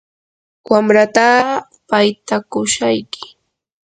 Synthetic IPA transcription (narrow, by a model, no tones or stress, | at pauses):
wamɾat̪aɢ | pajt̪akʊʃajkɪ̥